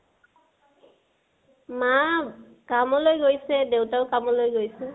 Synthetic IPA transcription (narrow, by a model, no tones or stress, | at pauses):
ma | kamɔlojɡojsɛdewtaʊkamɔlojɡojsɛ